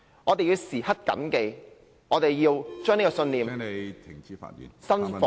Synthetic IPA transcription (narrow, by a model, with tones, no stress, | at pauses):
ŋɔː˨˧t̪e˨jiː˧wsiː˨˩hɐ˥t̚kɐ̰˨˥mke˨˧j | ŋɔː˨˧t̪e˨˩jjiː˧wt͡ʃœː˥ŋne˥kɔ˧sɵ˧nliː˨m˨˧t̪ʰɪ˨˩ŋt͡siː˨˥fa̰ː˧t̚jḭ˨nsɐ˥nfɔ˨